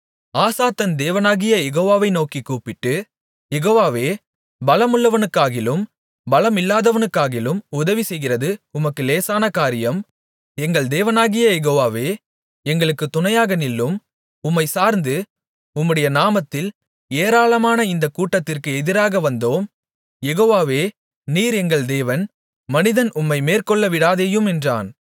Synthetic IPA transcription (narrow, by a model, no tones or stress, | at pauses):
aːsaːt̪ːɐnd̪eːʋɐnaːɣɪjɐjɛɣoːʋaːʋɐɪnoːkikːuːpɪʈːɯ | jɛɣoːʋaːʋeː | bɐlɐmʊɭːɐʋɐnɯkːaːɣɪlɯm | bɐlɐmɪlːaːðɐʋɐnɯkːaːɣɪlɯmʊðɐʋisɛjɣɪrɐðɯʊmɐkːɯleːsaːnɐkaːɾɪjɐm | ɛŋɡɐɭd̪eːʋɐnaːɣɪjɐjɛɣoːʋaːʋeː | ɛŋɡɐɭɯkːɯt̪ːʊnɐjaːɣɐnɪlːɯm | ʊmːɐɪsaːɾnd̪ɯ | ʊmːɯɽɐjɐnaːmɐt̪ːɪl | eːɾaːlɐmaːnɐɪnd̪ɐkuːʈːɐt̪ːɪrkɯɛðɪɾaːɣɐʋɐnd̪oːm | jɛɣoːʋaːʋeː | niːɾɛŋɡɐɭd̪eːʋɐn | mɐnɪðɐnʔʊmːɐɪmeːrkɔɭːɐʋɪɽaːðeːjɯmɛndra̰ːn